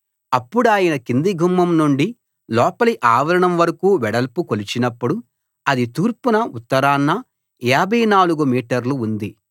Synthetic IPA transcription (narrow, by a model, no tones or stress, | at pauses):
ɐpːuɽuaːjɐnɐkind̪iɡʱumːɐmnuɳɖi | lɔːpɐliʔaːʋɐɾɐɳɐmʋɐɾɐkuːʋɛɽɐlpukolit͡ʃinɐpːuɽu | ɐd̪it̪iːɾpunɐut̪ːɐɾaːnːɐ | ɛbʱɐjnaːluɡumiːʈɐɾluːnd̪i